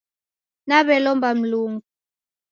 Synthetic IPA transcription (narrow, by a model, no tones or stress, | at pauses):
naβɛlɔmbam̩luːŋɡu